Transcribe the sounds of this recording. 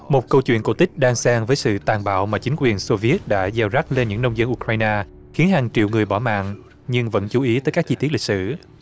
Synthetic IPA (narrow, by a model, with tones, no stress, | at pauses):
mo˨˩t̚kə˧wt͡ɕwḭ˧˨ənko˧˩wt̪ï˦˥k̟̚ɗaː˧ŋsaː˧ŋvəː˨˦jsɨ̰˧˨t̪aː˨˩nɓa̰ː˧˨wmaː˨˩t͡ɕi˨˦ŋ̟kwi˨˩ənso˧vi˨˦ət̚ɗa̰ː˧˥zaː˧˩wza˦˥k̚le˧nɲɨ̰˧˥ŋnə˧wŋ͡mzə˧nʔu˧kɾaː˧jnaː˧ | xi˨˦ənɦaː˨˩ŋt͡ɕḭ˧˨əwŋɨ˨˩əjɓɔ˧˩ma̰ː˧˨ŋ | ɲɨ˧ŋvə̰˧˥nt͡ɕu˨˦ʔi˨˦t̪əː˨˦kaː˦˥k̚t͡ɕi˧t̪i˦˥t̚li˨˩k̚sɨ̰˧˩